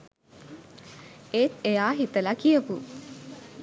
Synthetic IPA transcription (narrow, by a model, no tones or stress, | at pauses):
eːt̪ejaːɦit̪əlakijəpu